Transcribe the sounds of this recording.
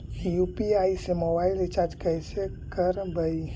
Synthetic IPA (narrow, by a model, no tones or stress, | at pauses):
ijupiaisemobailet͡ʃaɾd͡ʒkəjse | kəɾbəj